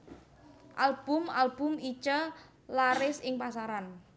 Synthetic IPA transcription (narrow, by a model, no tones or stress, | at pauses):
ʔalb̥ʊmalb̥ʊmit͡ʃə | laɾɪsɪŋpasaɾan